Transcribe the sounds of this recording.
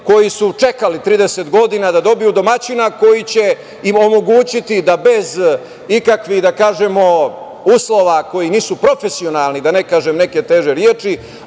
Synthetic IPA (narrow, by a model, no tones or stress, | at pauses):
ko̞jisut͡ʃe̞kalit̪ɾiːd̪eset̪ɡo̞d̪inad̪ad̪o̞bijud̪o̞mat͡ɕinako̞jit͡ɕe̞ | imo̞mo̞ɡuːt͡ɕit̪id̪abe̞z | ikakʋiɣd̪akaːʒe̞mo̞ | uːslo̞ʋako̞jiniːsupɾo̞fesio̞nalˠnid̪ane̞kaːʒemne̞ke̞t̪e̞ʒeɾjeːt͡ʂi